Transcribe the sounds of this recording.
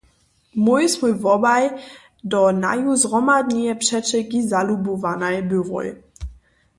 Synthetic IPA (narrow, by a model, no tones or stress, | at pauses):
mujsmujvɔbaj | d̪ɔna̰juzʁɔmad̪ɲijɛpʂɛt͡ʃɛɡizalubuvanajbyvɔ̰j